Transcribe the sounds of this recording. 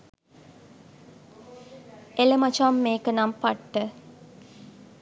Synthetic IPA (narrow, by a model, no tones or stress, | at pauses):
eləmat͡ʃamːeːkənampaʈːə